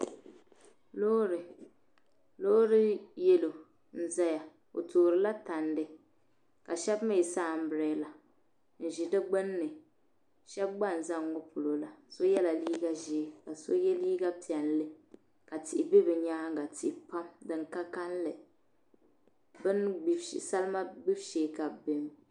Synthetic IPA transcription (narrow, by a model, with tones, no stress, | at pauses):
lo˦ɾɨ˨ | lo˦ɾɨ˦jɛ˦lo˨ | n̩˦za˦ja˨ | o̰˨toː˨ɾɨ˨la˦ta˨ndɨ˨ | ka˨ʃɛ˦bma˦˨i˨saː˦˨m̩˦bɨ˨ɾɛ˨˦la˨ | n̩˨ʒi˨dɨ˦ɡ͡bɨ˦nːɨ˨ | ʃɛ˦b̚ɡ͡ba˦˨n˨za˦ŋo˦pu˨lo˨la˨so˦jɛ˦la˨liː˦ɡa˦ʒi˦ka˨so˦jɛ˦liː˦ɡa˦pi˨ɛ˨n˦lɨ˦ | ka˨tɪ˨i˨be˦bɨ˨ɲaː˦ŋ˦ɡa˨ti˨pa˦mdɨ˨ŋka˦ka˦n˦lɨ˨ | bɨ˦ni˨sa˦lma˦ɡ͡bi˦bʃe˨˦ka˨bbe˨m